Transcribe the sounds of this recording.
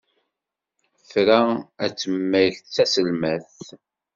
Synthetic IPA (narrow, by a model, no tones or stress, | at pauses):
fɾaæt͡sːəmːæjçt͡sːæsəlmæθ